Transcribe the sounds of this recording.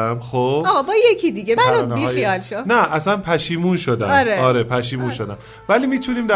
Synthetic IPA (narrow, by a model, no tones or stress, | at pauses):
mxobɒɣɒbɒjecʰid̪iɡʲemænonebiɒːxjijɒːlʃonæʔæsænpʰæʃiːmunʃod̪æ̰ɾeɒːɾepʰæʃiːmunʃo̞d̪æm | væliːmiːt̪ʰuniːmd̪æ